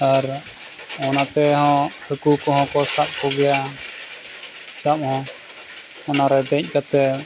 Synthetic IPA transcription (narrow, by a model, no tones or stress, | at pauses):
aɾ | ɔnat̪ɛɦɔ̃həkukɔɦɔ̃kɔsap̚kɔɡɛja | sap̚hɔ̃ | ɔnaɾɛd̪ɛc̚ˀkat̪ɛ